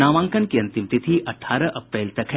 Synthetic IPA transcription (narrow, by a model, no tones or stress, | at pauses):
naːʋãːŋkənkiɐ̃nt̪imt̪it̪ʰiʔɐʈʰːaːɾɐʔɐpɾeːlt̪ɐkɦɛ